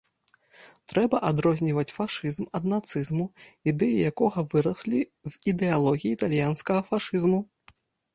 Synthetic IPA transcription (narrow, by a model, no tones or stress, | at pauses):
t̪ɾɛbɐʔad̪ɾɔzʲnʲivɐt͡sʲfaʂɨzmɐd̪nat̪sɨzmuid̪ɛjijakɔɣɐvɨɾɐsʲlʲizid̪ɛalˠɔɣʲijiːt̪alʲjanskɐɣɐfaʂɨzmu